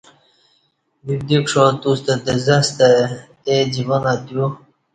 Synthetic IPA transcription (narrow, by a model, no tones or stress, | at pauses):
bib̚d̪ikʂot̪ust̪əd̪əzast̪a | ed͡ʑivəŋad̪ju